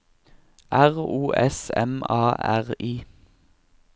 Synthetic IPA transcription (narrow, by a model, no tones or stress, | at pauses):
ʔæʁuːʔɛsɛ̰mɑːæʁiː